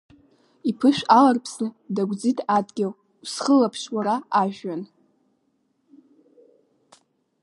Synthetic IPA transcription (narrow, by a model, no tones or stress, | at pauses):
ipʰɨʃᶣalarpʰsnɨdaɡʷd͡zitʰadɡʲaw | wsχəlapʰʃwaɾaːʒᶣan